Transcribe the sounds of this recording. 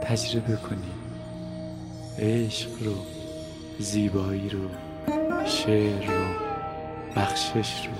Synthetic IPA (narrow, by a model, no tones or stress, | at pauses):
t̪ʰæd͡ʒɾebe̞kʰoni | eːʃɢɾo | ziːbɒːiːɾo | ʃeɾːo | b̥æxʃeʃɾo